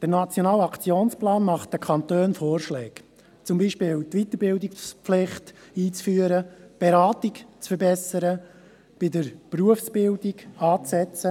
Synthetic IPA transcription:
d̥ənɑt͡sjɔnɑːlɑkt͡sjoːnsplɑːnmɑχt̚d̥əkʰɑntøːnfoːrʃlɛːk | t͡sʊmbiːʃpɪːwtʋit̪əɾbɪldɪkpflɪχtiːt͡sfyːəɾəb̥ɛɾɑːtɪkt͡sfəɾbɛsəɾə | b̥ɪdəɾpruəfsb̥ɪldiɡɑːt͡sːɛt͡sə

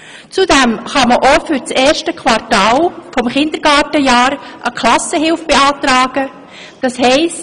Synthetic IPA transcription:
t͡sudɛmχɑməʔofʏɾt͡sɛːɾʃtəkʰwɑɾtɑːlfɔmχɪnd̥̪əɾɡ̥ɑːtəjɑːɾʔəkʰlɑsəɦɪlfb̥eɑːtɾɑːɡ̥ə | d̥ɑshɛɪs

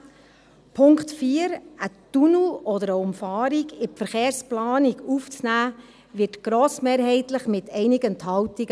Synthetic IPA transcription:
pʰʊŋkχtfiːəɾətunuɔd̪əɾəʊmfɑːɾiɡɪfəɾχeːɾsplɑːniɡuft͡snæː | ʋɪtɡ̥ɾoːsmeːɾɦɛɪtləχmɪt̪ʰɛɪnɪɡənt̪hɑwtiɡə

